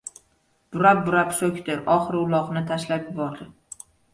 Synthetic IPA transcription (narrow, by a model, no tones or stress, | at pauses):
b̥ʊɾap̚bʊɾapsokʲt̪ɪʔɒχɨɾʊlˠɒqnɪt̪ʰaʃlapjɪbɒɾd̪ɪ